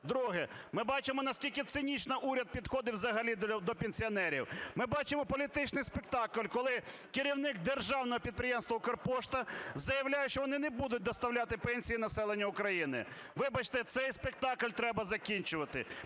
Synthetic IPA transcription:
d̪ɾuɦɛmɪbɑt͡ʃɪmɔnɐsʲkʲilʲkɪt̪sɪnʲit͡ʃnɐʔuɾʲɐd̪̚pʲid̪xɔd̪ɪwzɐɦɐlʲid̪ɔpʲenʲsʲiɔnɛɾʲiwmɪbɑt͡ʃemɔpɔlʲit̪ɪt͡ʃnɪjspekt̪ɑkʊlʲkɔlˠɪ | kɪɾʲiwnɪk̚d̪erʒɑwnɔɦɔpʲid̪̚pɾʲɪjɛmst̪ʋɐʊkɐrpɔʃt̪ɐzɐjɐwlʲajɛʃt͡ʃɔʋɔnɪnɛbud̪ʊt̚ʲd̪ɔst̪ɐwlʲat̪ɪpɛnʲsʲijinɐsɛlˠenʲːɐʊkɾɐjinɪ̰ | ʋɪbɐt͡ʃt̪ɛt̪sɛjspek̚t̪ɑklʲt̪ɾɛbɐzɐkʲinʲt͡ʃʊʋɐt̪ɪ̰

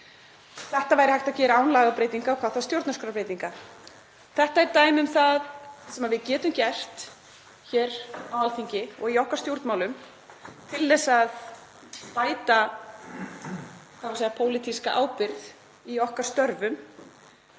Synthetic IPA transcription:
θɛht̪avaːjɾɪhajht̪aðcɛːɾaaːwnlaːɣapɾeːjt̪iŋkaɔkʰvaːðθaðst̪jowɾt̪naskɾapɾejt̪iŋka | θɛht̪aɛɾt̪aːjmʏmθaðsɛmaðvɪðcɛːt̪ʏmcɛr̥t̪ | çɛːɾawalθiɲcɪɔɣiɔhkaɾ̥st̪jowɾt̪nmawlʏm | t̪ʰɪlːɛsað | paːjt̪a | kawasejapʰoːwlit̪iskaʔaːwpɪɾð | iɔhkaɾ̥st̪œɾvʏm

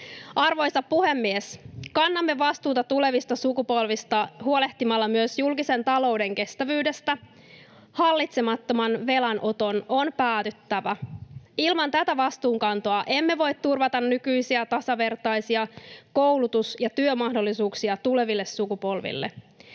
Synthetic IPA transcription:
ɑrʋo̞jsɑppːuhemːieskɑnːɑmːe̞ʋɑst̪uːt̪ɑt̪ule̞ʋist̪ɑsukupo̞lʋist̪ɑhuo̞le̞ht̪imɑlːɑmyøsjulkise̞nt̪ɑlo̞uwde̞ŋke̞st̪æʋyːde̞st̪æ | hɑlːit̪semɑt̪ːo̞mɑnʋe̞lænʔo̞t̪o̞no̞npæːt̪yt̪ːæʋæilmɑnt̪æt̪æʋɑst̪uːŋkɑnt̪o̞ɑʔe̞mːe̞ʋo̞jt̪t̪ːurʋɑt̪ɑnːykyjsiæt̪ɑsɑʋe̞rt̪ɑjsiɑko̞wlut̪usjɑt̪yømɑhdo̞lːisuːksiɑt̪ule̞ʋilːesːukupo̞lʋḭlːḛ

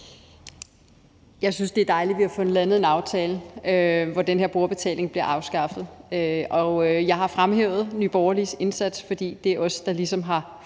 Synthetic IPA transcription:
jɑ̈ɪsynsd̥e̝æɐd̥ɑ̈ɪlidʋihɑ̈fɔ̽n̩lænð̩ˠe̝nɑ̈ʊt͡sʰɛːləøʋɒd̥enheɐ̰b̥o̝ɐb̥e̝t͡sʰɛ̰ːle̝ŋb̥liɐʔɑ̈ʊsɡ̥ɑ̈fð̩ˠøɒ̽jɑ̈ɪɦɑ̈fʁamɦḛʊð̞̩ˠnyb̥ɒʊɐlise̝nsæd̥sfɒ̽d̥ḭːd̥e̝æɐʔɒ̽sə̥d̥ɑ̈lisɒ̽mɦɑ̈

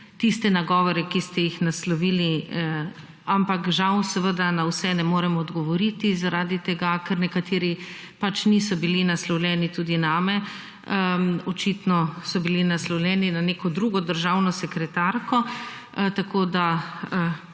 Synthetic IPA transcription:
t̪ist̪ɛnaɡɔːʋɔɾɛkist̪ɛjixnaslɔʋiːli | ampakʒawsɛʋəd̪anawsɛnɛmoːɾɛmɔːd̪ɡɔʋɔɾit̪izaɾaːd̪it̪ɛɡakɛɾnɛkat̪eːɾi | pat͡ʃnisɔbilinaslɔwlʲjɛːnit̪uːd̪inaːmɛ | ɔt͡ʃit̪nɔsɔbilinaslɔwlʲɛːninanekɔd̪ɾuːɡɔd̪əɾʒawnɔsɛkɾɛt̪aɾkɔ | t̪akʰoːd̪aə

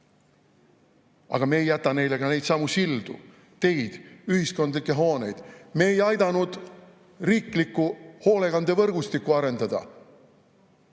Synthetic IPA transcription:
ɑ̰ɡ̥ɑme̞ːjːæt̪ːˑɑne̞jle̞ɡ̥ɑne̞jd̪̥sɑmusild̪̥ṵ | t̪e̞jd̪̥yhisko̞nd̪likːˑe̞ɦo̞ːne̞jd̪̥me̞ːjɑjd̪̥ɑnud̪̥ | riːklikːˑuho̞ːle̞ɡɑnd̪̥e̞vɤrɡ̥ust̪ikːˑuɑɾe̞nd̪̥ɑd̪̥ɑ̰

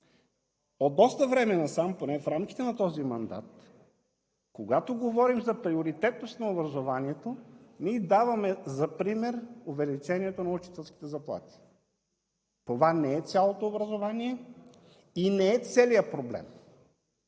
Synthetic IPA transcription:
od̪ɔst̪əvɾɛmɛnɐsamponɛfɾamkʲi̥t̪ɛnɐt̪ɔzimɐnd̪a̰t̪ | koɡat̪oɡovɔɾimzɐpɾioɾit̪ɛt̪nost̪nɐobɾɐzovaniɛt̪onid̪avɐmɛzɐpɾimɛɾovɛlit͡ʃɛniɛt̪onɐut͡ʃi̥t̪ɛlˠsk̟i̥t̪ɛzɐplˠa̰t̪i̥ | t̪ovanɛɛt̪sʲalˠot̪oːbɾɐzovaniɛ | inɛːt̪sɛlijəpɾoblɛ̰m

